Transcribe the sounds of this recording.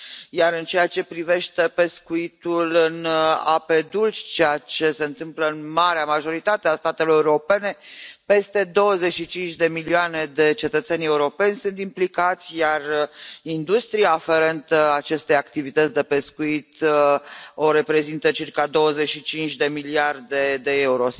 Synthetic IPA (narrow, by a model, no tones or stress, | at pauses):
jaɾɨnt͡ʃe̞jat͡ʃe̞pɾive̞ʃt̪e̞pe̞skuit̪ulɨna̰pe̞d̪ult͡ʃʲt͡ʃejat͡ʃe̞se̞ɨnt̪ɨmpləɨnmaɾeamaʒo̞ɾit̪at̪east̪at̪e̞lo̞ɾeuuɾo̞pe̞ne̞pe̞st̪e̞d̪o̞wəze̞t͡ʃʃit͡ʃint͡ʃʲd̪e̞milioane̞d̪e̞t͡ʃe̞t̪ət̪senʲe̞uɾo̞pe̞nʲsunt̪implikat̪sʲjarind̪ust̪ɾijaːfe̞ɾe̞nt̪əat͡ʃe̞st̪e̞jakt̪ivit̪ət̪sʲd̪e̞pe̞skuit̪ | o̞ɾe̞pɾe̞zint̪ət͡ʃirkad̪o̞wəze̞ʃit͡ʃint͡ʃʲd̪e̞miliard̪e̞d̪e̞euɾo̞s